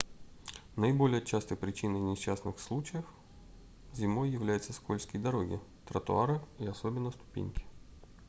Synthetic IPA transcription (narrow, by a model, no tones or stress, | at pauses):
nəɪbolʲɪjət͡ɕast̪əjpɾʲɪt͡ɕinəjnʲɪɕːasnɨxslˠut͡ɕɪjəf | zʲɪmojːɪvlʲæjɪt̪səskolʲsʲkʲɪjd̪ɐɾoɡʲɪ̰ | t̪ɾət̪ʊ̰aɾɨiɐsobʲɪnːəst̪ʊ̥pʲḭnʲkʲɪ̥